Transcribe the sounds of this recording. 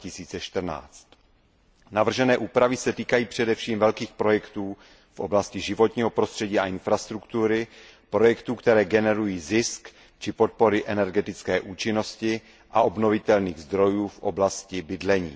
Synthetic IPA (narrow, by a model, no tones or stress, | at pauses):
ɪsiːt͡sɛʃt̪r̩na̰ːt͡st̪ | navr̩ʒɛnɛːʔuːpɾavɪsɛt̪iːkajiːpr̝̥ɛdɛfʃiːmvɛlkiːxpɾo̞jɛkt̪uː | fʔo̞̰blascɪʒɪvo̞t̪ɲiːɦo̞pɾost̪r̥ɛɟiːaʔɪnfɾast̪ɾukt̪uɾɪ | pɾo̞jɛkt̪uːkt̪ɛɾɛːɡɛnɛɾujiːzɪsk | t͡ʃɪpo̞t̪̚po̞ɾɪʔɛnɛɾɡɛt̪ɪt͡skɛːʔuːt͡ʃɪno̞scɪ | ʔaʔo̞bnovɪt̪ɛlniːɣzd̪ɾo̞juːfʔo̞̰blascɪbɪdlɛɲḭː